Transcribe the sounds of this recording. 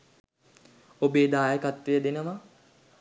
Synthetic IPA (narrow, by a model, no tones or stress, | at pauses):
obeːd̪aːjəkat̪ʋijəd̪enəʋa